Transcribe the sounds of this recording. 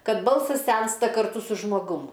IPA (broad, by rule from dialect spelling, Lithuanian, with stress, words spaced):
ˈkɐt ˈbɐlˠsɐs ˈsʲɛnstɐ kɐrˈtʊ sʊ ʒmoːˈɡʊm